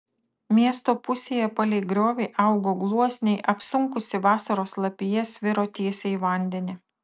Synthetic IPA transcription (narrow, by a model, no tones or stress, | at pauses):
mʲiɛst̪oːpʊsʲeːjɛpɐlʲɛɪɡɾʲoːʋʲɛɪʔɑˑʊɡoːɡlˠuɔsʲnʲɛɪʔɐpsʊŋkʊsʲɪʋɑːsɐɾoːslˠɐpʲɪjɛsʲʋʲɪɾoːt̪ʲiɛsʲɛiʋɐˑnʲd̪ʲɛnʲɪ